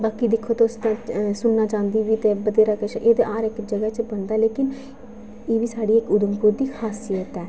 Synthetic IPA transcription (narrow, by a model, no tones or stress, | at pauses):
baːkiːd̪ɪkʰːoːt̪oʊst̪ãːsʊnnaːt͡ʃãːnd̪iːʋiːt̪eːbəd̪eːɾaːkɪʃʔeːd̪eːʔaːɾɪkd͡ʒəɡɛt͡ʃbənd̪aːleːkɪn | eːʋiːsaːɽiːɪkʊd̪əmpuːɾd̪iːkʰaːsijət̪ɛː